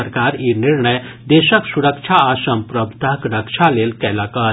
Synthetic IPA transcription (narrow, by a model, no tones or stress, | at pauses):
əɾkaːɾinɪɾɳəjd̪eːʃəksuɾəkʃʰaaːʃɐmpɾɐbʱt̪akɾəkʃʰaleːlkɛlaːka